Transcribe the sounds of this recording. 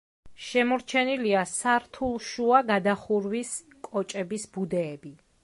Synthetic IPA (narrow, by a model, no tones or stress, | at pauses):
ʃɛmɔɾt͡ʃʰɛniliasaɾt̪ʰulˠʃuaɡad̪aχuɾwis | kʼɔt͡ʃʼɛbisb̥ud̪ɛːbi